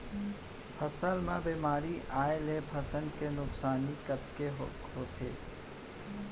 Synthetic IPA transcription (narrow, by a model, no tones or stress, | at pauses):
pʰəsəlmẽbiːmaːɾiʔaːelepʰɐsənkenʊksaːnikət̪keɦ | ɦoːt̪ʰḛː